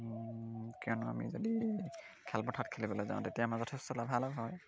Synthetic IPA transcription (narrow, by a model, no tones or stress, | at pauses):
kiɔnʊa̰mḭzodi | kʰɛlpɔtʰatkʰelibɔlojzã̰ʊ̃tetijamazɔtʰɛstɔlabʱalɔbɦɔj